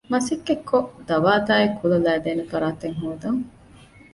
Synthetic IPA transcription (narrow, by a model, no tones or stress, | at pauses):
mɐsikːekːoʔd̪ɐʋaːt̪aːekːulɐlæːd̪eːnefɐɾaːt̪eŋɦuːd̪ɐŋ